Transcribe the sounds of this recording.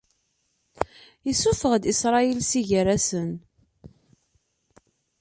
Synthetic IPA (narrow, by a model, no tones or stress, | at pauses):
jəsːufəʁd̪isɾˤɑilsiʝəɾæsən